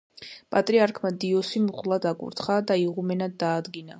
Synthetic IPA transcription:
pʼat̪ʼɾiaɾkʰmad̪iɔsimχʼlˠad̪akʼṵɾt̪ʰχad̪aiʁumɛnad̪ːaːd̪ɡina

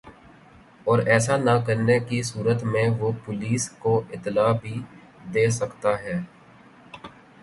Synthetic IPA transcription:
ɔːɾɛːsanakəɾnekisuːɾət̪mẽʋopʊliːskoʔɪt̪ːlaːbʱi | d̪eːsɐkt̪aɦɛː

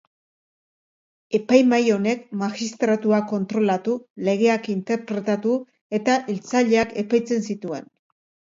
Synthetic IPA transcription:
e̞pajmajo̞ne̞kmaxist̪ɾat̪uako̞nt̪ɾo̞lat̪ule̞ɣ̞e̞akint̪e̞ɾpɾe̞t̪at̪u | e̞t̪aʔilt͡saʎe̞ake̞pajt͡se̞nsit̪ue̞n

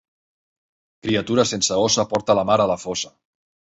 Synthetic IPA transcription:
kɾiət̪uɾəsensəosəpɔɾt̪ələmaɾələfosə

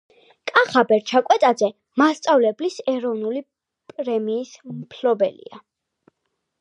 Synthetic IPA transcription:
kʼaχabɛɾt͡ʃʰakʼwɛt̪ʼad̪zɛ | mast̪sʼavlɛblisɛɾɔvnuli | pʼɾɛmiːsmpʰlɔbɛlḭa

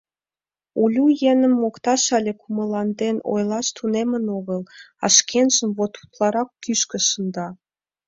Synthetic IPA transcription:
ulʲujenəmːokt̪ɑʃɑlʲekʰuməlɑnd̪eno̰jlɑʃt̪ʰunemənoɣəlɑʃkʰenʒəmβot̪u̥t̪lɑɾɑkːyʃkə̆ʃə̆nd̪ɑ

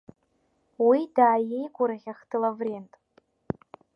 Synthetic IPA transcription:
widaːje̞jɡʷʊɾaχʲaχtʰɨlavrentʼ

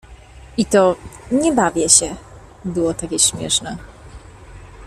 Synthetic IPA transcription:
ʔit̪ɔɲɛbavʲjɛɕɛ | bɘwɔt̪akʲɛɕmʲjɛ̰ʂnɛ

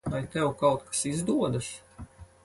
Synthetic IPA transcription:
vajt̪ɛwkawt̪̚kḁsizd̪uɔd̪as

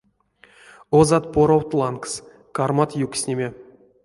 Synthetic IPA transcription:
ozɑt̪̚poɾowt̪lˠɑnks | kɑrmat̪juksʲnʲemʲe

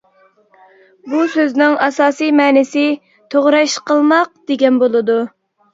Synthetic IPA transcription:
busøznɪŋɑsɑːsijmɛːnɪsɪ | t̪ʰoʁɾɑʃqəlˠmɑq̚d̪̥eɡʲɛnbolˠɨd̪u

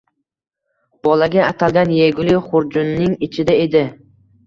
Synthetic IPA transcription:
b̥ɒlaɡʲaːt̪ʰalɡʲanjeɡʲʊlɪχʊɾd͡ʒʊnːɪŋɪt͡ʃʰɪd̪ae̞d̪ɪ

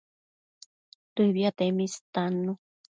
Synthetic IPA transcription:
t̪uiβiat̪emist̪anu

